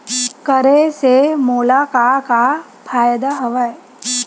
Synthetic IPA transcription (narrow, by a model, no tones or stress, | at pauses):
kəɾesemoːlakaka | pʰaːjd̪aɦɐʋaj